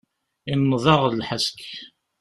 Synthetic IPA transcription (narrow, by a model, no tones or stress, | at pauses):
inːðˤɑʁlħəsk